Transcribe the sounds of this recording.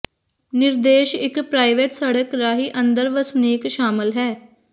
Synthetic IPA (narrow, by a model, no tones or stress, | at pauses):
nɪɾd̪eːʃɪkpɾaːiʋeːʈsəɽəkɾaːɦiːʔə̃nd̪əɾʋəsneːkʃaːmɪlɦɛː